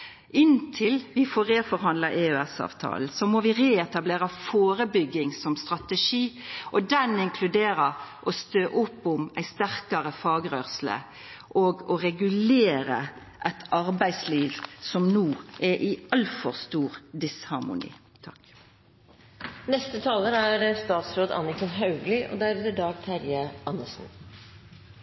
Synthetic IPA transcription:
ʔɪnt̪ʰɪlʋɪfɔːʁeːfɔɾɦɑnlɑʔeøɛsɑ̰ːʋt̪ʰɑ̰ːl̩sɔmoʋɪʁeːɛt̪ɑbleːɾɑfoːɾəbʏɡɪŋsɔmst̪ʁɑt̪əʃiːʔɔd̪ɛnɪŋkʰlʉd̪eːɾəʔɔst̪øːʔʊpːʊmæɪst̪æʁkɑɾəfɑːɡɾøːʁsl̩ə̰ | ʔɔɡɔɾɛɡʉleːɾə | ʔɛt̪ɑʁbæɪsliːʋsɔmnuːʔɛʔɪɑlfɔʁst̪uːʁd̪ɪshɑʁmʊ̰nḭː | t̪ʰɑk | nɛst̪ət̪ʰɑːləɾæɾst̪ɑːt̪sɾoːd̪ɑ̰nɪksɔnɦɑʉɡlɪʔɔ̰d̪æɾʉːt̪əɖɑːɡ̚t̪ʰæɾjəʔɑnːəsn

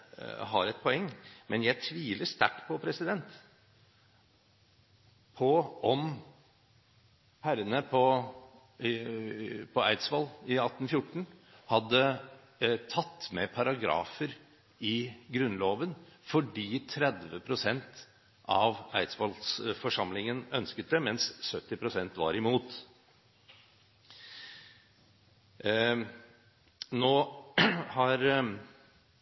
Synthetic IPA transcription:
ɦɑɾɛt̪̚pʰɔɛŋːmɛnjæɪt̪ʰʋiːləʂt̪æ̰ʈːpʰɔpʰɾɛsɪd̪ɛnt̪ | pʰɔɔm | pʰæɾənəpʰɔ | pʰɔæɪt̪sʋɑlɪɑt̪ːnfjʊʈːɳ̩hɑd̪ːə | t̪ʰɑt̪ːmɛpʰɑɾɑɡɾɑ̰ːfəɾ | ɪɡɾʉnːloːʋənfɔɖiːt̪ʰɾɛd̪ʋəpʰɾʊsɛnt̪ | ʔɑʋæɪt̪sʋɑlsfɔʂɑmlɪŋənœnskət̪̚d̪ɛmɛnssœt̪ːɪpʰɾʊsɛnt̪ʋɑ̰ɾɪmuːt̪ | noː | hɑɾ

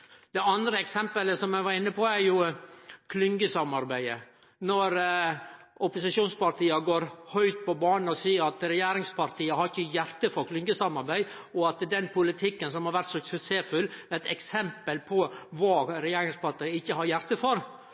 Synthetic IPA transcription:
d̪̥ɛɑnd̪ɾəɛksɛmpələsɔmæɪʋɑɾɪnːəpʰɔæɾjʊkʰlʏŋɡəsɑmɑɾbæɪə | nɔɾ | ʊpʊsɪʃuːnspɑɾt̪ʰiːɑɡoːɾhœʏt̪̚pɔbɑːnnɔsiːəɾɑt̪ɾɛjeːɾɪŋspʰɑɾt̪ʰiːəhɑɾɪçːəjæɾt̪əfɔɾkʰlʏŋɡəsɑmɑɾbæɪ | ɔɑt̪d̪ɛnpʰʊlɪt̪ʰɪkːənsɔmhɑɾʋæɾt̪sɔsʉseːfʉlɛt̪ɛksɛmpəlpʰɔʋɑːɾɛjeːɾɪŋspɑɾt̪ʰiːəɪçːəhɑɾjæɾt̪əfɔɾ

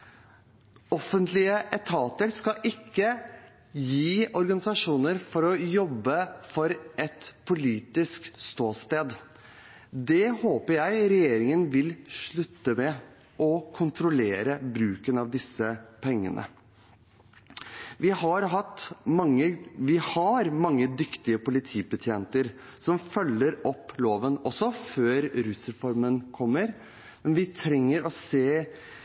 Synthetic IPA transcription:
ɔfənt̪lɪəʔɛt̪ʰɑːt̪əɾskɑʔɪkːə | jiːɔɾɡɑnɪsɑʂuːnəɾfɔɾɔjɔbːəfɔɾʔɛt̪pʰʊliːt̪ɪskst̪oːst̪eːd̪ | d̪ɛhoːpəɾjæɪɾɛjeːɾɪŋənʋɪlʂɭʉt̪ːəmɛ | ʔɔkʰʊnt̪ʰɾʊleːɾəbɾʉːkənɑʋd̪ɪsːəpʰɛŋːə̰nʔə̰ | ʋɪhɑɾɦɑt̪ːmɑŋəʋɪhɑɾmɑŋːəd̪ʏkt̪ɪəpʊlɪt̪ʰiːbət̪ʰjeːnt̪əɾ | sɔmfœlːəɾɔpːloːʋənɔsɔføːɾɾʉsɾɛfɔɾmənkʰɔmːəɾ | mɛnʋɪt̪ʰɾɛŋːəɾɔseː

